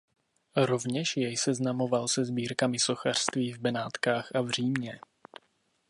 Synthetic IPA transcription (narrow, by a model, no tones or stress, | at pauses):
ɾo̞vɲɛʃjɛjsɛznamo̞valsɛzbiːɾkamɪso̞xar̥st̪viːvbɛnaːt̪kaːxavr̝̥iːmɲɛ